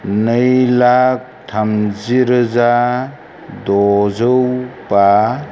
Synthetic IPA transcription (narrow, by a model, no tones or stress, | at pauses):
nɯjlak̚tʰamziɾɯza | dɔzɯwpa